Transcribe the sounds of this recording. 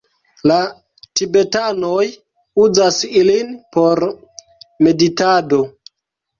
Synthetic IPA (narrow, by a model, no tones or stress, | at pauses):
la | tibe̞tano̞j | uzasilinpo̞ɾ | me̞ditado̞